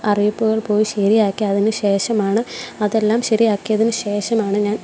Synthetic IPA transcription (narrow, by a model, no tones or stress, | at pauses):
ɐrijipːuɣɐɭpo̞ːjiɕɐɾijaːkːiɐðinɨɕe̞ːʂɐmaːɳɨɐðe̞lːaːmɕɐɾijaːkːijɐðinɨɕe̞ːʂɐmaːɳɨɲaːn